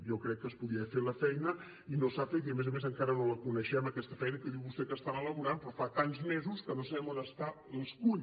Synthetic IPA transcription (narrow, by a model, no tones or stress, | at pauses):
ʒɔkɾɛkːəspuðiəfeləfɛjnə | inosafet̪iəmezəmezəŋkaɾənoləkunəʃɛməkɛst̪əfɛjnəkəðiwβust̪ɛkəst̪aβələβuɾampɾɔfak̪anzmezuskənosəβɛmond̪əst̪aəskuʎ